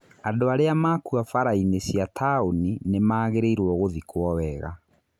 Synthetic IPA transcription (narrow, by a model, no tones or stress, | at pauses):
adoaɾeamaːkuafaɾainesjatʰaoninemaːɣeɾeiɾwɔɣoðikwɔwɛɣa̰